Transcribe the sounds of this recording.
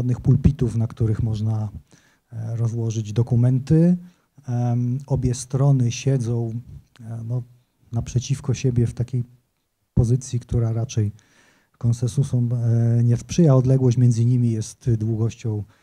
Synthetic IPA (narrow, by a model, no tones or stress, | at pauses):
ad̪̚nɘxpulpʲit̪ufnakt̪uɾɘxmɔʐna | ɾɔzwɔʐɘd͡ʑd̪ɔkumɛnt̪ɘ | ɔbʲjɛst̪ɾɔnɘɕɛd̪zɔ̃w̃ | nɔ | napʂɛt͡ɕifkɔɕɛbʲjɛft̪akʲej | pɔzɘt̪sʲjikt̪uɾaɾat͡ʂɛj | kɔnsɛnsusɔmɲɛfspʂɘjaɔd̪lɛɡwɔɕt͡ɕmʲjɛnd̪zɘɲimʲijɛst̪d̪wuɡɔɕt͡ɕɔ̃w̃